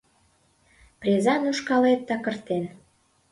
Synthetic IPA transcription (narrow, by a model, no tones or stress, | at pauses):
prʲezɑnuʃkɑlet̪̚ːɑkə̆rt̪en